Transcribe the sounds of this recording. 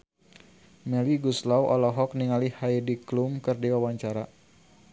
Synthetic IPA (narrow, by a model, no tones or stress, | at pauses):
mɛliɡuslawʔɔlɔɦɔk̚niŋalihajdiklumkərdiwawaɲt͡ʃaɾa